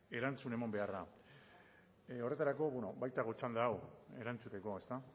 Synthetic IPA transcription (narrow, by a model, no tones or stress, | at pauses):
e̞ɾant͡sune̞mambe̞ara | o̞re̞t̪aɾako̞βweno̞bajt̪aɣot͡ʃand̪aːwe̞ɾant͡sut̪e̞ko̞e̞st̪a